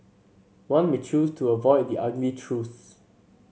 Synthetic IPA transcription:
wãnmet͡ʃʰustʰuəvɔɪd̚diʔaɡlitʰɹus

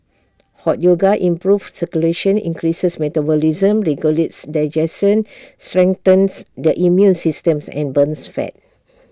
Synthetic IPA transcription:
hɔt̚joɡaʔĩmpɹufsəkuleʃə̃nḭ̃ŋkɹisəsmɛtabɔlizə̃mɹɛɡjuletsdaɪd͡ʒɛsɔ̃nstɹɛ̃ŋt̪ə̃nsdəʔimjũnsistə̃msɛ̰̃nbə̃nsfɛ̰t̚

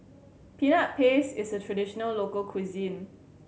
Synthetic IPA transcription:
pinaʔ̚pʰesɪsətʰɹadiʃɔnəllokəlkʰwizĩn

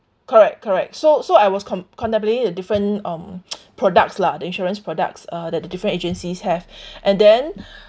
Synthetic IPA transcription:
kʰɔɹɛkkʰːɔɹɛk̚tsosoajwɔskʰɔ̃kʰɔ̃ntɛ̃mp̬lẽtŋdədifɹə̃nãmpʰɹɔdək̚tsladəĩnʃɔɹə̃nspʰɹɔdə̰k̚sadɛt̚dədifɹə̃nted͡ʒə̃nsishɛvʔɛ̃ndɛ̃n

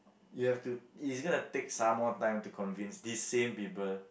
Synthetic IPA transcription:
juhɛftuisɡɔ̃nutek̚sãmːɔtãɪ̃mtukʰɔ̃nvĩnsdisːẽmpipəl

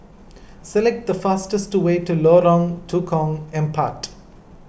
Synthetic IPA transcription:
sɛlɛk̚ʈ̚d̪əfasʈəsʈweːʈuloːɾɔ̃ŋtʰuːkʰɔ̃ŋɛ̃npʰaʈ

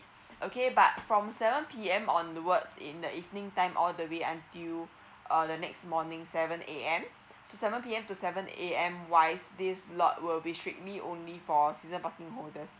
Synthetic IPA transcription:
ʔokebat̚fɹɔ̃msɛvə̃npʰiɛ̃mɔ̃ndəwətsɪ̰̃ndəʔivnɪ̃ŋtãɪ̃mʔɔldəweãntil | ʔʌdənɛksmɔnɪ̃ŋsɛvə̃nʔeɛ̃m | sosɛvə̃npiɛ̃mtusɛvə̃neɛ̃mwaɪsdislɔ̰t̚wilbistɹik̚liʔõ̰nlifɔsizə̃npakɪ̃ŋɦoldəs

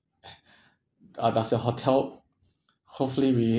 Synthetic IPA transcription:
adasəɦotʰɛl | hopfəliɹi

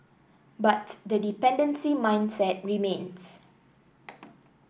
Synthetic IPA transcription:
batdədipɛ̃ndə̃nsimãj̃nsɛt̚ɹimẽns

